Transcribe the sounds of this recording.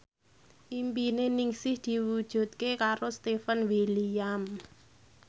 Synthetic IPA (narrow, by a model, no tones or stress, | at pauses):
ʔimpineniŋsɪhd̪̥i̤wud̥ʒ̥ṳt̪̚kekaɾost̪efənwiliam